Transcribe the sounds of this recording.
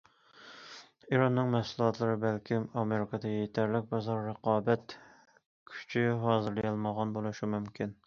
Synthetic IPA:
iɾɑnːɨŋmɛsulˠɑt̪lˠɨɾɨbælkʲʰimɑmeɾɪkʰɑd̪ɛjet̪ʰæɾlɪk̚ʲbɑzɑɾːəqɑːbɛt̪ | kʲʰy̥t͡ʃʰyɦɑːzɨɾlijɑlˠməʁɑnbolˠuʃumymkʲʰin

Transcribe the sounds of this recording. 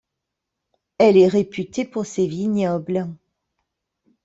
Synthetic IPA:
ɛlɛʁepyt̪epuʁsevineɔblɛ̃

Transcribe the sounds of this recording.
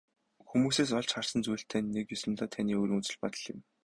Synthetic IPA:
xumuːseːs̬ɔɮt͡ɕχar̥sə̆nt͡sujɬt̪ʰæːnːekjɔsə̆nt̪ɔːt̪ʰaniːoːɾiːŋut͡sɘ̆ɮpɔt̪ə̆ɮjɪ̰̆m

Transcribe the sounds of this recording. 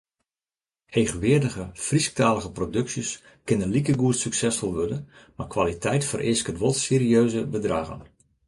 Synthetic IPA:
heːɣəʋɪədəɣəfrisk̚taːləɣəprodɵksjəs | kɪnəlikəɡuətsyksɛsfɔlˠʋødə | makʋalitʰɛjtfərʔɪskətʋɔlˠtseːɾiøːzəbədraːɣə̰n

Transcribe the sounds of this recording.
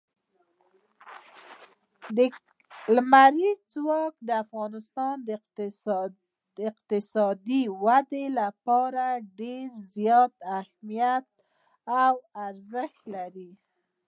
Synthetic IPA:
d̪ə | lmaɾit͡swɑkd̪əafɣɑnɪst̪ɑnd̪ | ɪqt̪ɪsɑd̪iwad̪elapɑɾaɖeɾzjɑt̪ahmijat̪̚ | awaɾzəxt̪laɾi

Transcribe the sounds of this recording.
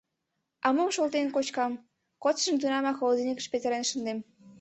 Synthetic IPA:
ɑməmʃolt̪enkot͡ɕkɑm | kot̪ʃə̆mt̪unɑmɑxolod̪inʲikə̥̆ʃpet̪eɾenʃə̆nd̪em

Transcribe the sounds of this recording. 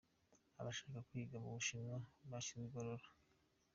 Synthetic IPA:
aβaʃakakuiɡamuβuʃinaβat͡ʃiniɡoɾoɾḁ

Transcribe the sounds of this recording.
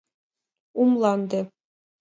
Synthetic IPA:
umlˠɑnd̪ɘ̆

